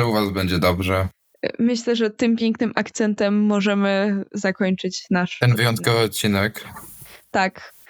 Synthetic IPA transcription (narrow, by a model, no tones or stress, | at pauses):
ɛuvazbɛɲd͡ʑɛd̪ɔbʐɛ | mɘɕlɛʐɛt̪ɘmpʲjɛŋknɘmʔakt̪sɛnt̪ɛmːɔʐɛmɘzakɔɲt͡ʂɘt͡ɕnaʂt̪ɛnvɨjɔnt̪kɔvɘɔt̪̚t͡ɕːinɛkt̪ak